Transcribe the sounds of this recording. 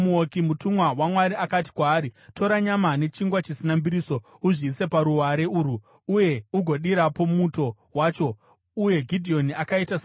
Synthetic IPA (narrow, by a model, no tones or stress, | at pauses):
muokimutumwawamwaɾiakati̥kwaːɾito̞ɾaɲamane̞t͡ʃiŋɡwat͡ʃisinambiɾiso̞uʐiːse̞paɾuaɾe̞uːɾu | uje̞uɡʱo̞ɗiɾapo̞muto̞ | waːt͡ʃo̞ | uje̞ɡʱidʱio̞niakaitasa